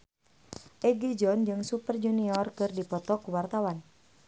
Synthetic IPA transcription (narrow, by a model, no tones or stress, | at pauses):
ʔɛɡid͡ʒɔnd͡ʒɨŋsupərd͡ʒuniɔrkɨrdipɔt̪ɔkuwart̪awan